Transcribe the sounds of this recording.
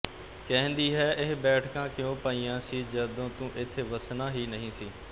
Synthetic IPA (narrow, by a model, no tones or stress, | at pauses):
kɛ̃ːnd̪iːɦɛːʔɪɦbɛːʈʰkãːkɪjõːpaːiːjãːsiːd͡ʒəd̪õːt̪ũːʔɪt̪ʰːeːʋəsnaːɦiːnəɦĩːsiː